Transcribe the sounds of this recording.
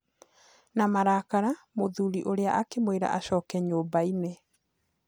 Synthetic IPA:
namaɾakaɾamoðuɾiʔoɾeaʔakemweɾa̰ʔaɕɔːkɛɲoːbaine

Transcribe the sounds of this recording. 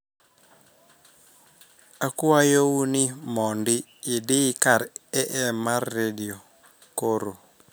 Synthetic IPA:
akʊajowunɪmɔndɪ | ɪdɪkaɾɛʔɛmarːedio | koɾo

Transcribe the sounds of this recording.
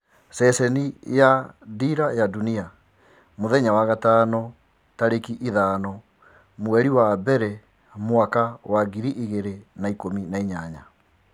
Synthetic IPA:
sɛsɛnijadiɾajadunia | moðɛɲawaɣataːnɔ | taɾekiʔiðaːnɔ | mwɛɾiwabɛɾɛ | moakawaɡiɾiʔiɣeɾenaikominaiɲaɲa

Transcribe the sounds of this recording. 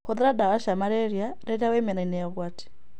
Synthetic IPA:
kɔðɛɾadaɣaʃamaɾɛɾja | ɾɛɾiawɛmɛnainɛaɣwati̥

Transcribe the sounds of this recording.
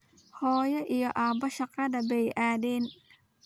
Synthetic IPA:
hɔːjɐʔijɔʔaːbɐʃɑqɐðɐbɛjʔaːdiːn

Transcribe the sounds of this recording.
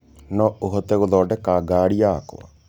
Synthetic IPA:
nɔoɦɔt̪ɛɣoðɔːɖɛkaɡaːɽiaːkɔ̰a̰

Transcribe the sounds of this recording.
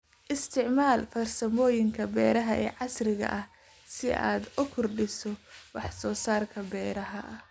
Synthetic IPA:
ʔɪst̪ʰɪʕmaːlfɐrsɐmɔːjɪŋkʰɐbɛːɾɐɦɐʔɛ̰ːʕɑsrɪɣɐ̰ʔɐh | sɪʔa̰ːd̪ʊkʰʊrɖɪsɔwɑħsɔːsaːrkʰɐbɛːɾɐɦɐ

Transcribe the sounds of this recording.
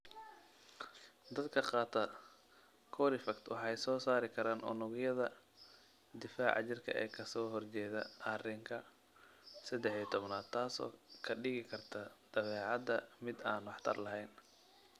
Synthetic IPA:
d̪ɐd̪kʰɐqɑːt̪ʰɐ | kʰɔːɾɪfɐkt̪ʰwɑħɑjsɔːsaːɾɪkʰɐɾaːnʔɔ̰nʊɣjɐðɐ | d̪ɪfa̰ːʕɑ̰t͡ʃɪrkʰɐ̰ʔɛ̰ːkʰɐsɔːɦɔrt͡ʃɛːðɐʔɐrɪŋkʰɐ | sɐd̪ɛħiːɐt̪ʰɔβnaːd̪̚t̪ʰaːsɔ̰ːkʰɐɖɪɣɪkʰɐrt̪ʰɐd̪̥ɐβɛːʕɑd̪ɐmɪd̪aːnwɑħt̪ʰɐ̰rlɐɦɛjn

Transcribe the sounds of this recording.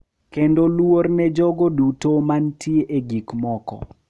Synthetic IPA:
kendolwornɛd͡ʒɔɡodutomantʰjeʔeɡikmɔkɔ̰

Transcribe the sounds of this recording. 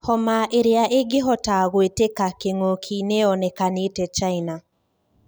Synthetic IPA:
hɔmaʔeɾeaʔeɡɪɦɔtaɣwetekakeŋokʰineɔnɛkanetɛt͡ʃaina

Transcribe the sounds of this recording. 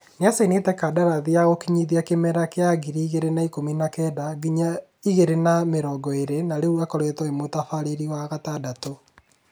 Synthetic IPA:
neasainetɛkadaɾaðiaɣokiɲiðiakemɛɾakeaɣiɾiːɣeɾenaikominakɛdaɣiɲa | iɣeɾenameɾɔːɡɔeɾenaɾeuakɔɾwetɔemotafaɾeɾiwaɣatadato

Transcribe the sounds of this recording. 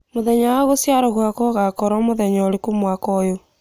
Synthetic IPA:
moðɛɲawaɣosjaɾɔɣwakɔɣakɔɾɔmoðɛɲɔɾekomwakɔjo

